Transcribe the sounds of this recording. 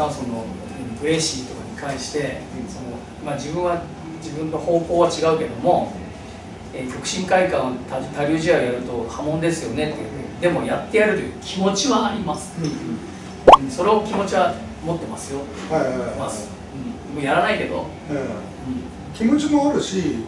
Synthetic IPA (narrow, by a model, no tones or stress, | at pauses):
aso̞no̞ | pɯ̟ɾe̞ɕiːt̪o̞kaɲ̟ikãɰ̃ɕi̥t̪e̞sono | mad͡ʑibɯ̟̃ɰ̃βa | d͡ʑibɯ̟̃nːo̞ho̞ːko̞ːβat͡ɕiɡaɯ̟ke̞d̪o̞mo̞ | eːkʲo̞kɯ̟̥ɕĩŋkaikãɰ̃t̪at̪aɾʲoːʑiaojaɾɯ̟t̪o̞hamõ̞nd̪e̞sɨjo̞ne̞t̪ːed̪e̞mo̞jat̪ːe̞jaɾɯɾɯ̟kʲʰimo̞t͡ɕiβaːɾʲimasɨ̥ | ɯ̃so̞ɾe̞o̞kʲimo̞t͡ɕiβa | mo̞t̪ːe̞masɨjo̞ | mas | ɯ̟̃ | mojaɾanaike̞d̪o̞̰ | ɯ̟̃ɴ | kʲimo̞t͡ɕimoaɾɯ̟ɕi